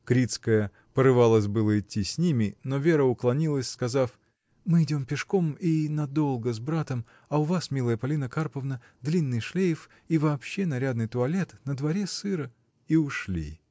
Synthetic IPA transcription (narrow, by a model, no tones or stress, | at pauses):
kɾʲit̪skəjə | pəɾɨvalˠəs̬ʲbɨlˠəɪtʲːisʲnʲimʲɪno̞vʲeɾəʊklˠɐnʲilˠəsʲskɐzaf | mɨɪdʲo̞mpʲɪʂko̞minɐd̪o̞lˠɡəzbɾat̪əm | ɐʊvasmʲilˠəjəpɐlʲinəkarpəvnə | d̪lʲinːɨjʂlʲejf | ivɐːpɕːe̞nɐɾʲad̪nɨjt̪ʊɐlʲe̞t̪nəd̪vɐɾʲesɨɾə | iʊʂlʲḭ